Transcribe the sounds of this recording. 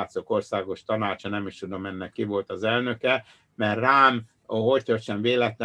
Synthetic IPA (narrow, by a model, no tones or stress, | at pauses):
t̪so̞ko̞rsaːɡo̞ʃt̪ɒnaːt͡ʃɒnɛmiʃt̪ud̪o̞mɛnːɛkːivo̞lt̪ɒzɛlnø̞kɛ | mɛrraːm | ɦo̞ct̪ørt͡ʃɛɱveːlɛt̪lɛ